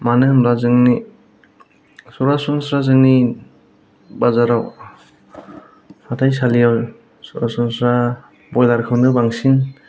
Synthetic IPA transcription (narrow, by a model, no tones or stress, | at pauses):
manɯmlazɯŋni | sɔɾasɔŋsɾazɯŋni | bazaɾaw | hatʰajsalijaw | sɔɾasɔŋsɾa | bɔjlaɾkʰɯwndɯbaŋsin